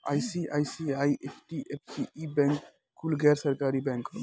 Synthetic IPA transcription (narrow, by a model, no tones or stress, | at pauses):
a̰jsiʔajsiajʔepʰʈiefʰsiibɛ̃ŋk | kːulɡɛːɾsɐɾkaːɾibɛ̃ŋk